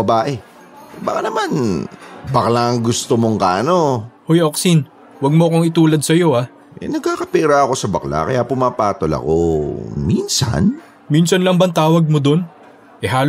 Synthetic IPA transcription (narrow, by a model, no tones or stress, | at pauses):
ɐbaːʔɛ | bɐkanɐman | bɐklaʔɐŋɡʊst̪omoŋkaʔɐno̞hojoksin | wɐɡ̚moɐko̞ŋɪt̪uːlɐd̪̚sɐjo̞ʔa | ʔɛ̰nɐɡ̚kaːkɐpɛːɾaɐko̞sɐbɐkla̰kɐjaːpʊmaːpaːt̪olɐ̰ko̰minsɐ̰n | minsɐnlɐŋbɐŋt̪aːwɐɡ̚mod̪o̞n | ʔɛɦaːl